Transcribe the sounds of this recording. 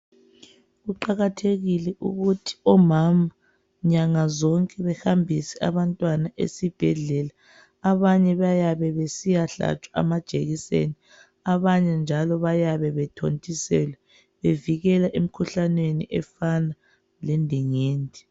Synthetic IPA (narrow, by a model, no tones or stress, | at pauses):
ɣuǃaɣatʰeɣilɛʔṵɣutʰi̥ɔmama | ɲaŋazɔŋkʼɛβɛhambʱisɛa̰βantʼwanaʔḛsib̥ʱɛɮɛlaː | βaɲɛβajaβɛβesijaɬa̰t͡ʃʼwaa̰mad̥ʒ̥ʱeɣisḛni | aβaɲɛnd͡ʒʱalɔβajaβɛβɛtʰontʼisɛlɛ | βeviɣɛlaʔem̩kʰuɬanweniʔɛfana | lendʱiŋeːndʱi